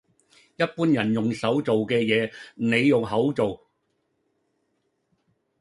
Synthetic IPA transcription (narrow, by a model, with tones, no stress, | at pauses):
jɐ˥t̚puː˥njɐ˨˩njʊ˨˩ŋsɐ˨˥wt͡so˨wkɛː˧jɛː˨˧ne˨˧jːʊ˨˩ŋɦɐ˨˥wt͡so˨w